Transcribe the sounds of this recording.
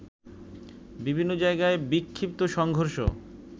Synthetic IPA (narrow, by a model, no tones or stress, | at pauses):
bibʱinːod͡ʑaeɡaebikʰːip̚t̪oʃɔŋɡʱoɾʃo̰